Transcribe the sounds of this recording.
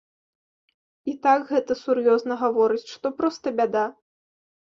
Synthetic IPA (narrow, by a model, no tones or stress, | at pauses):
it̪akɣɛt̪ɐsurjɔznɐɣavɔɾɨt͡sʲʂt̪ɔpɾɔst̪ɐbʲad̪a